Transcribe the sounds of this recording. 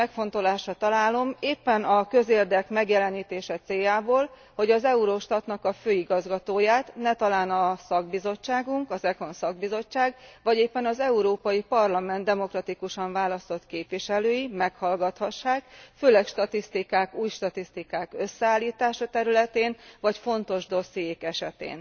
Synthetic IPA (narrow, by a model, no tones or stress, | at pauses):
ɛkfo̞nt̪o̞laːʃɒt̪ɒlaːlo̞meːpːɛnɒkø̞zeːrd̪ɛkmɛɡjɛlɛniːt̪eːʃɛt̪seːjaːboːl | ho̞ɟɒzɛuɾoʃt̪ɒt̪nɒkɒføːiɡɒzɡɒt̪oːjaːt̪nɛt̪ɒlaːnɒsɒɡ̚bizo̞t͡ʃːaːɡuŋkɒzɛko̞nsɒɡ̚bizo̞t͡ʃːaːɡvɒɟeːpːɛnɒzɛuɾoːpɒjipɒrlɒmɛnd̪d̪ɛmo̞krɒt̪ikuʃɒɱvaːlɒst̪o̞t̪keːpʋiʃɛløːjimɛkhɒlɡɒt̪hɒʃːaːkføːlɛkʃt̪ɒt̪ist̪ikaːkuːjʃt̪ɒt̪ist̪ikaːkø̞sːɛaːlːiːt̪aːʃɒt̪ɛɾylɛt̪eːnvɒcfo̞nt̪o̞ʒd̪o̞sːijekɛʃɛt̪ḛːn